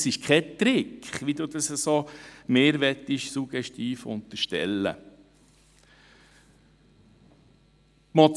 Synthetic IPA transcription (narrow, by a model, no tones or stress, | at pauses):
sɪʃkʰɛt̪ɾɪkχʋid̪ud̪ɑsəsomeːɾʋɛt̪ːɪʃsuɡ̥ɛʃtiːfʊ̰nt̪əɾʃtɛ̰lːə̰ | mɔ